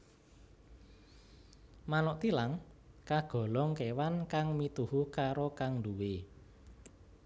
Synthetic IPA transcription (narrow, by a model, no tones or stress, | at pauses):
manɔʔt̪ilaŋkaɡ̥ɔ̤lɔŋkewankaŋmit̪uɦukaɾokaŋduwe